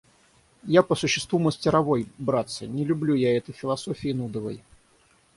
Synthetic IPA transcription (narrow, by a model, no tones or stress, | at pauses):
japəsʊɕːɪst̪vuməsʲtʲɪɾɐvo̞jbɾat̪sɨ̰nʲɪlʲʊblʲujaɛt̪əjfʲɪlˠɐso̞fʲɪːnud̪əvə̰j